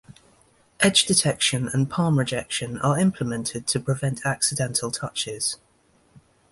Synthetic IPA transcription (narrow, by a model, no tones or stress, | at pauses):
ʔɛd͡ʒdɪtʰɛkʃə̃nə̰̃npʰɑːmɹɪd͡ʒɛkʃə̃nə̰ɹɪ̃mpʰlɪmɛ̃ntʰɪd̚tʰəpʰɹ̥ɪvɛ̃ntʰaksɪdɛ̃ntʰəlˠtʰʌt͡ʃɪz̥